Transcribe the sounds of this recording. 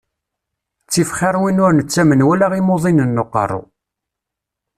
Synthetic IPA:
t͡sːifχiɾˤwinʊɾnət͡sːæmənwælaʁimoðˤinənːoqːə̰rˤo̰

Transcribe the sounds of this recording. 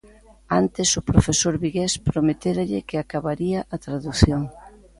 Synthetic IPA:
ant̪ɪsʊpɾofesoɾβiɣespɾomet̪eɾaʎɪkɪakaβaɾiɐʔat̪ɾaðuθjoŋ

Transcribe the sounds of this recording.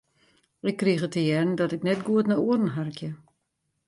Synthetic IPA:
ɪkːrixətəjɛrn̩dɔtɪknɛtɡuətnauədn̩ɦarkjə

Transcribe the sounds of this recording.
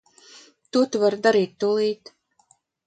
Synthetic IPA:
t̪ut̪vaɾd̪aɾiːt̪ːulˠiːt̪

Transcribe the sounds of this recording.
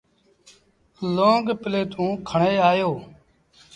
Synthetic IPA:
lõːŋɡpɪleːt̪ũːkʰəɳeːaːjoː

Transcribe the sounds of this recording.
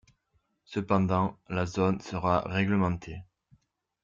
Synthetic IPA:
səpɑ̃d̪ɑ̃lazɔnsəʁaʁɛɡləmɑ̃t̪ʰe

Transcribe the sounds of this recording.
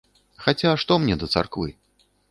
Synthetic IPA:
xat͡sʲaʂt̪ɔmnʲɛd̪ɐt̪sa̰rkvɨ̰

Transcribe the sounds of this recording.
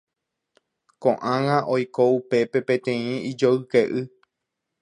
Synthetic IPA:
kõʔãŋãʔojkoupe̞pe̞pẽt̪ẽ̞ĩid͡ʒoɨkeʔɨ

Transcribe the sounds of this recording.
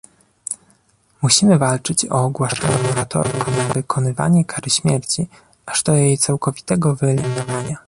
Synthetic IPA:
muɕimɘvalt͡ʂɘt͡ɕɔ̰ːɡwaʂtavɔ̃ɔɾat̪ɔ̰ɾkɔnavɘkʰɔnɘva̰ɲɛkʰaɾɘɕmʲjɛɾt͡ɕi | aʐd̪ɔjejt̪sawkɔvʲit̪ɛɡɔvɘɛlʲimʲinɔvaɲa

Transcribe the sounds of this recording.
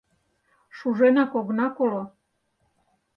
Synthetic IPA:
ʃuʒenɑkoɣnɑkolo

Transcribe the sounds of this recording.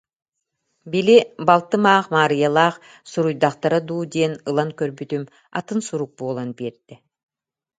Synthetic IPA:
bilʲibɑlˠt̪ɯmɑːqmaːɾɯjɑlˠɑːq | suɾujd̪ɑqt̪aɾad̪uːd̪enɯlˠankøɾbyt̪ym | ɑ̰t̪ɯnsuɾuk̚boːlˠanbeɾd̪i

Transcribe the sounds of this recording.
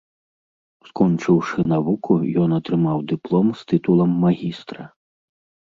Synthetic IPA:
skɔnt͡ʂɨwʂɨnavukʰujɔnɐt̪ɾɨmawd̪ɨplˠɔmst̪ɨt̪ulˠɐmːaɣʲist̪ɾɐ

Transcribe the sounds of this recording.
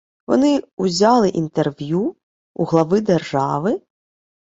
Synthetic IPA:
ʋɔ̰nɪuzʲɑlˠɪʔint̪erʋʲju | ṵɦlˠɐʋɪd̪erʒɑʋɪ

